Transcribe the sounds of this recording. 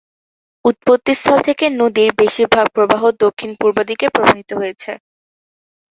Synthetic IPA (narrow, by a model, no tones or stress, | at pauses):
ut̪̚pot̪ːist̪ʰɔlt̪ʰekenod̪iɾbeʃiɾbʱaɡ̚pɾobaɦod̪okʰːinpuɾbad̪ikepɾobʱaɦit̪oɦojet͡ɕʰe